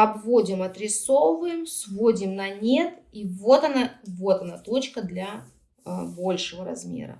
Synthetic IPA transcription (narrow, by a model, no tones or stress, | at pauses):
ɐbvodʲɪmɐt̪ɾʲɪsovɨjɪmsvodʲɪmnɐnʲe̞t̪ivo̞t̪ɐnavo̞t̪ɐnat̪o̞t͡ɕkəd̪lʲa | bo̞lʲʂɨvəɾɐ̰zmʲḛɾə̰